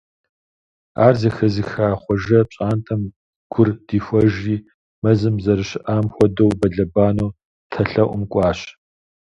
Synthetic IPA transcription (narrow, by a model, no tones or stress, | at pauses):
a̰ːrziːxɐziːxaːχʷɔʒɐpɕʼaːntʰʼɐm | ɡ̥ʷʊrd̥iːxʷɔʒiː | mɐzɨmzɐɾɨɕɪʔaːmxʷɔdowbɐɮɐbaːnoː | tʰɐɬɐʔʷʊmkʷʼɑːɕ